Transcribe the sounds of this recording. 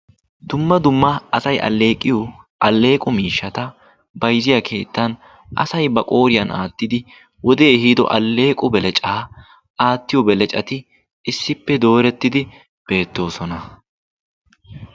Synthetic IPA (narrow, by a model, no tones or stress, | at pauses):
d̪ʊmːɐd̪ʊmːɐʔɐsɐjʔɐ̰lːe̞ːkʼːɪjɔ | ʔɐlːe̞ːkʼʊmiːʃːɐt̪ɐ | bɐjzɪjɐkʰe̞ːt̪ːɐn | ʔɐ̰sɐjbɐkʼo̞ːɾɪjɐna̰ːt̪ːɪd̪ɪ | wɔd̪e̞ːhiːd̪ɔ̰ʔɐ̰lːe̞ːkʼʊbɛlɛt͡ʃʼaː | ʔaːt̪ːɪjɔbɛlɛt͡ʃʼɐt̪ɪ | ɪsːɪpːɛd̪o̞ːɾɛt̪ːɪd̪ɪ | b̥e̞ːt̪ːo̞ːsɔnɐ